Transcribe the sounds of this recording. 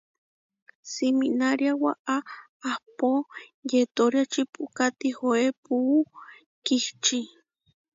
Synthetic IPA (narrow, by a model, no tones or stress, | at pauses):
siminaɾjawa̰ʔaː | hpojet̪oɾjat͡ʃipukat̪ixoepuː | kiht͡ʃi